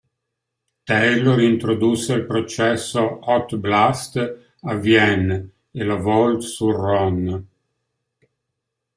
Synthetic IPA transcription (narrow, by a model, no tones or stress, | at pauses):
t̪ɛjloɾiint̪ɾod̪usːelpɾot͡ʃɛsːoɔt̪blast̪ | avjɛn | elavɔlt̪surɔn